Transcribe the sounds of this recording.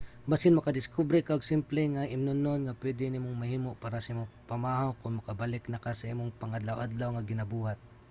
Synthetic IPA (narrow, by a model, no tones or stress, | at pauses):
basɪnmɐkɐd̪ɪskubɾɛkaɡsɪmplɛŋaʔɪmnʊnonŋapwɛd̪ɪnɪmoŋmɐhiːmoʔpaːɾɐsɐimopɐmaːɦawkʊŋmɐkɐbalɪknɐkasɐʔimoŋpɐŋad̪lawʔad̪lawŋɐɡɪnɐbuːhat̪̚